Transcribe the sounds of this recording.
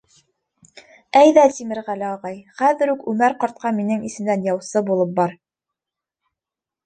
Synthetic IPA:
æjðæt̪imɘ̆ɾʁælæɑʁɑjχæðɘ̆ɾʉkʉmæɾqɑɾt̪̚qɑminɘŋisɘ̆md̪ænjɑwsɤbulˠɤp̚bɑɾ

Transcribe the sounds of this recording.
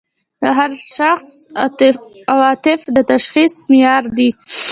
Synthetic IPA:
d̪əɦaɾʃaxs | awɑt̪ɪfd̪ət̪aʃxismɪjɑɾd̪i

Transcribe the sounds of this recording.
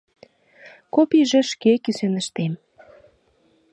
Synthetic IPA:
kopiʒĕʃkekysenə̆ʃt̪em

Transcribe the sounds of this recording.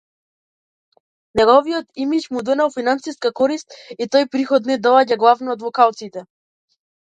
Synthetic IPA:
nɛɡɔviɔt̪imit͡ʃmud̪ɔnalˠfinansiskakɔɾist̪it̪ɔjpɾixɔt̪nɛd̪ɔaɟaɡlˠavnɔːd̪vɔkalˠt̪sit̪ɛ

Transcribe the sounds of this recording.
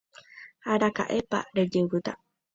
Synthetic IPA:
haɾaka̰ʔepa̰ɾed͡ʒɨwɨt̪a̰

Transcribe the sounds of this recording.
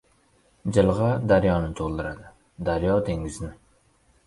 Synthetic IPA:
d͡ʒɪlˠʁɑd̪æɾjɒnɪt̪ʰolˠd̪ɨɾad̪ɪ | d̪æɾjɑd̪ʰeŋɪznɪ

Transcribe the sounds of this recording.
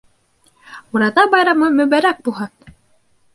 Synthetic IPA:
uɾɑðɑbɑjɾɑmɤmɵ̆βæɾæk̚bulˠɦɤn

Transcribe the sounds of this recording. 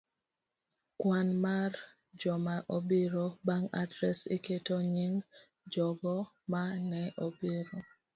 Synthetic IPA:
kwanmar | d͡ʒɔmaʔobiɾobaŋa̰dɾɛsiketoɲɪŋ | d͡ʒɔɡɔ | manɛʔobiɾo

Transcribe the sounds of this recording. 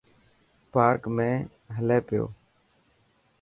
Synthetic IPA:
paːɾkmẽː | ɦəleːpɪjo̰ː

